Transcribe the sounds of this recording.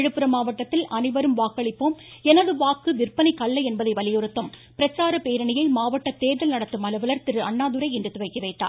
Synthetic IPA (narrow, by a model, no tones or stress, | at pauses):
ɻɯpːɯɾɐmaːʋɐʈːɐt̪ːɪlʔɐnɪʋɐɾɯmʋaːkɐɭɪpːoːmɛnɐðɯʋaːkːɯʋɪrpɐnɪkɐɭːɐɪɛnbɐðɐɪʋɐlɪjɔɾɯt̪ːɐm | pɪɾɐt͡ʃːaːɾɐpeːɾɐɳɪjɐɪmaːʋɐʈːɐt̪eːðɐlnɐɽɐt̪ːɯmɐlɐʋɐlɐɾt̪ɪɾɯɐɳːaːðɯɾɐɪɛndrɯt̪ʊʋɐɪkːɐʋeːʈːa̰ː